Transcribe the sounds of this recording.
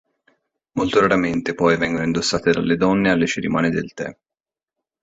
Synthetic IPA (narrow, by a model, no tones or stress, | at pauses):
molt̪oɾaɾament̪epɔjvɛŋɡonoind̪osːaːt̪ed̪a̰lːed̪ɔnːealːet͡ʃeɾimaːned̪elt̪ɛ̰